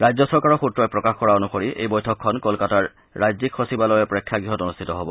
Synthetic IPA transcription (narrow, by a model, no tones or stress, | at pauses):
ɹajzɔsɔɹkaɹɔxutɹɔjpɹɔkaxkɔɹaonuxoɹiʔḛjbɔjtʰɔkʰːɔnkolkataɹː | ajzikʰːosibalɔjɛpɹɔkʰːjaɡɹiɦɔtonustʰitɔɦobɔ